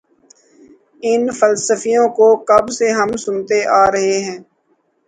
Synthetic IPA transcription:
ɪnfəlsəfijõkokɐbseɦɐmsʊnt̪eʔaːɾɐɦeɦɛ̃ː

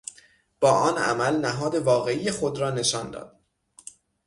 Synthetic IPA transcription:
b̥ɒːʔɒːnæ̰mælnæɦɒːd̪e̞vɒːɣe̞ije̞xod̪ɾɒːne̞ʃɒːnd̪ɒ̰ːd̪̥

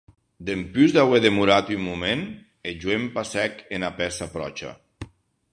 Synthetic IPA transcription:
d̪empyzðaweðemuɾat̪ymːumen | eʒuempasɛkenapɛsapɾɔ̰t͡ʃa̰

